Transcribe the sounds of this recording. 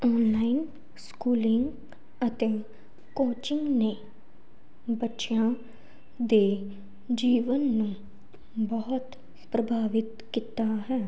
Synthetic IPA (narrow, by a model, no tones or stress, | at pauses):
ɔːnlaːin | skuːlɪŋɡ | ət̪eː | koːt͡ʃɪŋɡneː | bətːʃjãː | d̪eː | d͡ʒiːʋənːũː | bɔːʊt̪ | pɾəbʱaːʋɪt̪kit̪aːɦɛː